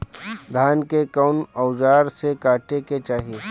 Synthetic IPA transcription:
d̪ʱaːnkekɔʊnɔʊd͡ʒaːɾsekaːʈeket͡ʃaːɦie

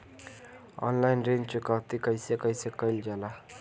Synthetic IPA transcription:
ɔ̰nlajnrent͡ʃukat̪ikʌjsekʌjsekʌjld͡ʒʌla

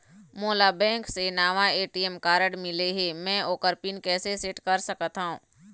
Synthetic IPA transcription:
moːlabɛ̃ːŋksenaːʋaeːʈiɛmkaːɾəɽmɪleɦemɛ̃oːkəɾpinkɛːsesɪʈkɐɾsɐkət̪ɦṵ̃ː

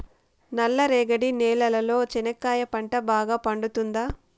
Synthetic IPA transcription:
nɐlːɐɾeːɡɐɽinɛːlɐlɐlo̞ːt͡ʃɛnɐkːaːjɐpɐɳʈɐbaːɡaːpɐɳɖut̪und̪aː

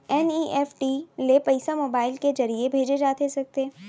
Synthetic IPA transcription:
ɛniːʔɛːfʈilepɐɪsamoːbaːɪlkezɐɾiebʱeːd͡ʒed͡ʒaːt̪esɐk̚t̪e

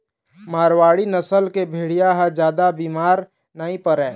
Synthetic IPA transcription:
maːɾwaːɽinəsəlkebʱeːɽijaɦɛd͡ʒjaːd̪abiːmaːɾ | nəɦĩpəɾɛː

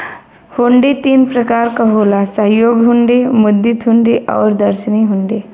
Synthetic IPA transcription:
hʊ̃ɳɖit̪iːnpɾɐkaːɾkaɦoːlasəɦjoːɡɦʊ̃ɳɖimʊd̪ːit̪ɦʊ̃ɳɖiʔɔ̰ːɾd̪ɐɾʃəniɦʊ̃ɳɖiː

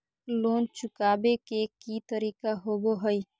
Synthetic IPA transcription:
loːnt͡ʃʊkaːbekekit̪əɾiːkaɦoːboɦəi

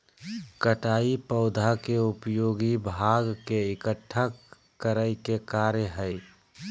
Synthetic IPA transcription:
kəʈaːipəʊd̪ʱakeʊpjoːɡibʱaɡkeɪkəʈʰːəkː | əɾəɪkekaːɾjəɦəɪ

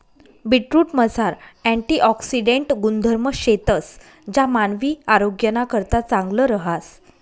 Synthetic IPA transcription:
biʈɾuːʈməsaɾæ̃ɳʈiːʔɔksiɖeɳʈɡund̪ʱəɾməɕet̪əs | d͡ʑamanʋiːaɾoɡjənakəɾt̪at͡saŋɡləɾəɦas

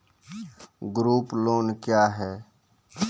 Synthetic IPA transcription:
ɡɾuːploːnkjaːɦɛː

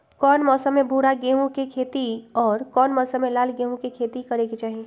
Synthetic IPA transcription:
kɔːnmɔːsəmːẽbʱuːɽaɡẽːɦũkekʰeːt̪iɔːɾkɔːnmɔːsə̃mːẽlaːlɡẽːɦũkekʰeːt̪ikɐɾeɡet͡ʃaːɦi

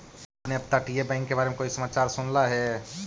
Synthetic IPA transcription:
pneəb̚t̪aʈijebə̃ɪ̃ŋkːebaɾemekoːisəmat͡ʃaɾsʊnlaɦɛ

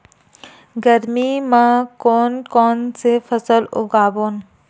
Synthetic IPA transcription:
ɡɐɾmimãkɔːnkɔːnsefɐsəlʊ̰ɡaːboːn

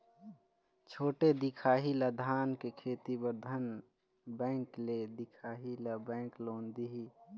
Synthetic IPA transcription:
t͡ʃʰoːʈed̪ikʰaːɦilad̪ʱaːnkekʰeːt̪ibəɾd̪ʱən | bɛ̃ːŋkled̪ɪkʰaːɦilabɛ̃ːkloːnd̪iɦi

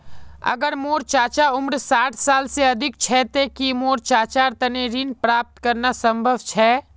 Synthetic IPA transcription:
ɐ̰ɡəɾmoːɾt͡ʃaːt͡ʃaʊmɾsaːʈʰsaːlseɐd̪ʱɪk̚t͡ʃʰɛːt̪ekimoːɾt͡ʃaːt͡ʃaːɾt̪ɐneːɾiːnpɾaːp̚t̪kəɾnasɐ̃mbʱəʋt͡ʃʰɛː

